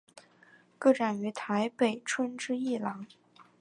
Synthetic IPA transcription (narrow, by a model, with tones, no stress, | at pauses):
kɤ˥˩ʈ͡ʂa˨˩ny˧˥t̪ʰa˧˥ɪpe˨˩ɪʈ͡ʂʰwə˥nʈ͡ʂɻ̩˥i˥˩lɑ˧˥ŋ